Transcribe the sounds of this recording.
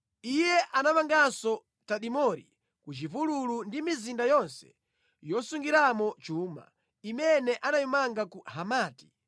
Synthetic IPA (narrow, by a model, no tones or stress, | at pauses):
ijɛʔanamaŋɡasɔ | taɗimɔɾḭ | kut͡ʃivululundimizindajɔnsɛ̥̰ | jɔsuŋɡiɾamɔt͡ʃuːma̰ | imɛnɛʔanajumaŋɡakuɦamaːti̥